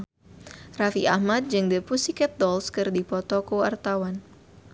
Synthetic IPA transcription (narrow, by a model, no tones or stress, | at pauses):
rafiʔahmad̪̚d͡ʒɨŋdəpusikɛt̪̚dɔlskɨrdipɔt̪ɔkoart̪awan